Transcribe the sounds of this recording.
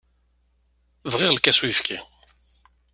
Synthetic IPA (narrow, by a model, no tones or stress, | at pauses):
vʁɪʁlkæswifkʰi